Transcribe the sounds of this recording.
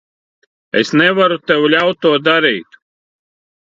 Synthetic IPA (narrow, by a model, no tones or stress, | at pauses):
ɛ̰snɛvaɾut̪ɛwlʲawt̪ːuɔd̪aɾijt̪